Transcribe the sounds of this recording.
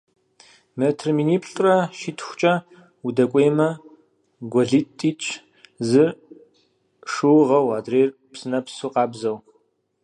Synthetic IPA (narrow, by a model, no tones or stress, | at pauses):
metʰrminiːpʰɬʼrɐʃitʰxʷt͡ʃʼɐ | wudɐkʷʼeːmɐ | ɡʷɔɮitʼːiːt͡ʃʼ | zɨ | ʂɨwʁɐwaːdreːr | psɨnɐpsuqɑːbzɐw